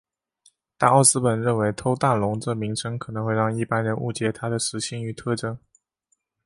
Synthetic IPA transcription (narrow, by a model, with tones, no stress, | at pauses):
t̪a˥˧ɑ˥˩ʊsɹ̩˥pə˨˩nɻə˥˩nwe˧˥ɪt̪ʰo˥ʊt̪a˥˩nlʊ˧˥ŋʈ͡ʂɤ˥˩mi˧˥ŋʂʰɤ˥ŋkʰɤ˨˩ɤ˧˥ŋxwe˥˧ɪɻɑ˥˧ŋi˥˩pa˥nɻə˧˥nṵ˥˩t͡ɕjɛ˧˥t̪ʰa˥d̪ə˨ʂɻ̩˧˥ɕi˥˩ŋy˧˥t̪ʰɤ˥˧ʈ͡ʂɤ˥ŋ